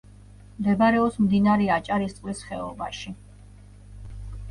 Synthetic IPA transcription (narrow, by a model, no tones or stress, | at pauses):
md̪ɛbaɾɛɔpsmd̪inaɾɛat͡ʃʼaɾist̪ʼwisχɛɔbaʃi